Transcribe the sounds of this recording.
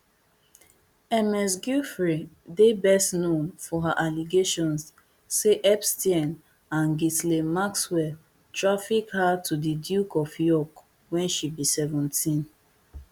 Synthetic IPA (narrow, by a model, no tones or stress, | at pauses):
ɛmɛs̬ɡufɹi | debɛstnõnfɔɦaʔaliɡeʃɔ̃ns | seʔɛpstiɛ̃n | ãnɡitlemakswɛl | tɹafikhatʰudidjukɔfjɔk | wɛ̃nʃibisɛvɔ̃ntʰĩn